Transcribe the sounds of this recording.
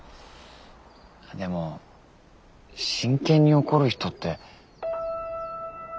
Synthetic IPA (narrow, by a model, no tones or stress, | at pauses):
ad̪e̞mo̞ | ɕĩŋkẽ̞ɲ̟ːio̞ko̞ɾɯ̟çi̥t̪o̞t̪ːe̞